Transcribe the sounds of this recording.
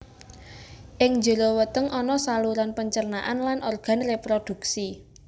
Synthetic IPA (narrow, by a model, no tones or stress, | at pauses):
ʔɪŋɲd͡ʒə̤lowət̪əŋʔɔnɔsaluɾanpəɲt͡ʃərnaʔanlanʔɔrɡ̥a̤nrepɾod̪̥ṳksi